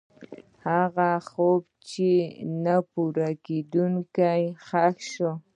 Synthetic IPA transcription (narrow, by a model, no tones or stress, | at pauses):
hɑɢɑhʊpt͡ʃɪnapʊɾakɪd̪ʊŋkajhɑkʃʊ